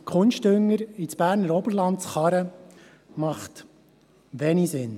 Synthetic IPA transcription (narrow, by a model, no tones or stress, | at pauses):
kʰχʊnʃtʏŋːəɾit͡sb̥æːɾnəɾɔbəɾlɑntt͡sχɑɾə | mɑχt̪ | ʋɛnisɪn